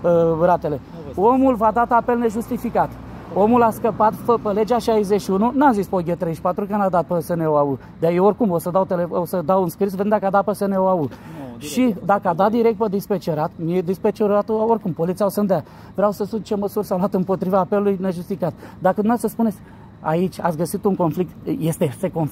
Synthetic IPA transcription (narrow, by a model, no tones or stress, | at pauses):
əɾat̪e̞le̞ | o̞mulvad̪at̪ape̞lne̞ʒust̪ifikat̪ | o̞mulaskəpat̪fəpəle̞d͡ʒaʃajzeʃiununazispoɡʲet̪ɾejʃpat̪ɾukənad̪at̪̚pəsəneoaud̪eajeorʲkumosəd̪awt̪eleosəd̪awɨnskɾis̬veend̪akəad̪apəsəneoauʃid̪akəad̪at̪̚d̪iɾe̞k̚t̪pəd̪ispet͡ʃeɾat̪mied̪ispet͡ʃeɾat̪oorʲkumpo̞lit̪siawsənd̪ea | vɾeawsəsunt͡ʃe̞məsurʲsawluat̪ɨmpo̞t̪ɾivaːpelulujneʒust̪ikat̪d̪akəd̪umesəspune̞t̪sʲ | a̰it͡ʃʲa̰t̪sʲɡəsit̪uŋko̞nflik̚t̪je̞st̪ese̞kon